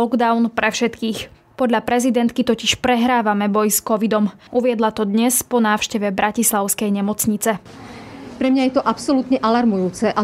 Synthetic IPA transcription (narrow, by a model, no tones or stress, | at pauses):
ɔɡd̪aʊnpɾɛfʃɛt̪kiːx | pɔd̪ʎapɾɛzid̪ɛnt̪kit̪ɔciʃpɾɛɦɾaːʋamɛbɔjskɔʋid̪ɔm | ʔuʋɪɛd̪lat̪ɔd̪ɲɛspɔnaːʊʃcɛʋɛbɾʔacislaʊskɛjɲɛmɔt͡sɲit͡sɛ | pɾɛmɲajɛt̪ɔʔapsɔlut̪ɲɛʔalaɾmujuːt͡sɛʔa